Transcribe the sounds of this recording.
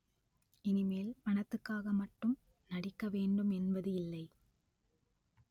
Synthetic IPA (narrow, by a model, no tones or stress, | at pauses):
ɪnɪmeːlpɐɳɐt̪ːɯkːaːɣɐmɐʈːɯm | nɐɽɪkːɐʋeːɳɖɯmɛnbɐðɯɪlːɐɪ